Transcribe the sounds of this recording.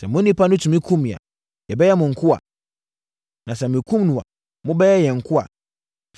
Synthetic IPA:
sɛ˨mũ˦ni˦pa˦nu˦tu˨mĩ˦kʰu˦mi˨a̰˨ | jɛ˨bɛ˦a˦mʊ̃˨ŋ̩˨ku˦a̰˨ | na˨s̬ɛ˨mi˨ku˦m˦nũ˨wa̰˨ | mũ˦bɛ˦ja˦jɛ˨ŋ̩˨ku˦a̰˨

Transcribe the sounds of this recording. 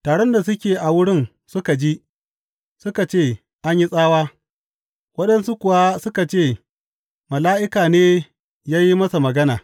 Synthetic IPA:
taː˨ɽe˦nda˨s̬ʊ˦kʲeː˨ʔa˨wʊ˦ɽɪ˦n | sʊ˦ka˨d͡ʒi˦ | sʊ˦ka˨t͡ʃeː˦˨ | ʔa˦ɲji˦sʼaː˦waː˦ | wɐ˦ɗɐ˦nsu˦kʷʊ˨wa˦sʊ˦ka˨t͡ʃeː˦˨ | mɐ˨laː˦ʔɪ˦kaː˨neː˦ | jaː˦ji˦mɐ˦sa˨mɐ˨ɡɐ˦naː˨

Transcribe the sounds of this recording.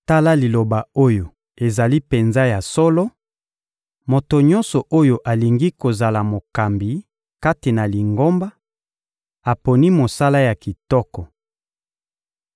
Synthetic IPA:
ta˦la˦li˨lo˨ba˨o˦jo˨ | e˨za˨li˦pe˨nza˦ja˨sɔ˦lɔ˦ | mo˨to˨ɲɔ̃˦nsɔ˨ʔo˦jo˦ʔa˨li˨ŋɡi˦ko˨za˨la˨mo˨ka˨mbi˨ | ka˦ti˨na˨li˨ŋɡo˦mba˦ | a˨po˨ni˦mo˨sa˦la˦ja˨ki˨tɔ˦kɔ˨

